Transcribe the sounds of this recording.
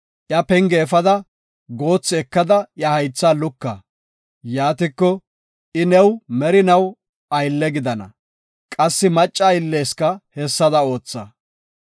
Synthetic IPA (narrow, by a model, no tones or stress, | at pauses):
ʔjɐpɛŋɡeːfɐd̪ɐ | ɡo̞ːt͡sːɪɛkːɐd̪ɐjɐhɐjt͡sːaːlʊkːɐ̰ | jaːt̪ɪkːɔ | ʔɪnɛwmɛɾɪnɐw | ɐjlːɛɡɪd̪ɐnɐ̰ | kʼɐsːɪmɐt͡ʃʼːɐjɪlːeːskɐhɛsːɐd̪ɐo̞ːt͡sːɐ̰